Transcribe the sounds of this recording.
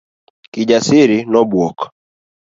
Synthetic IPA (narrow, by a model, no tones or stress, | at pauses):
kɪd͡ʒasɪɾinɔbwɔk